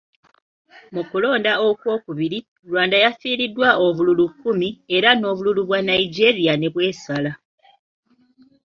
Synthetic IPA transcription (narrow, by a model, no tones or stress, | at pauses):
mukulo̞ːndao̞kwo̞ːkuβiɾi | lwaːndajafiːɾidːwaʔo̞βululukːumie̞ɾano̞ːβululuβwanajiɟe̞ɾijane̞βwe̞ːsala